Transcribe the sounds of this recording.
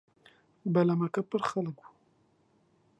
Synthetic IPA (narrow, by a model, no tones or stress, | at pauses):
balamakapəɾxaləkwu